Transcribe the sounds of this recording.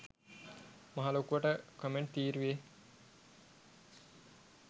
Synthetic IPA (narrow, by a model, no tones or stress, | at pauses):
maɦaːlokuʋəʈəkomeɳʈ̚t̪iːɾuʋe